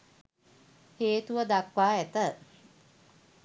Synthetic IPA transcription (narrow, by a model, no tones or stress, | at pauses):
heːt̪uʋəd̪akʋaːæt̪ə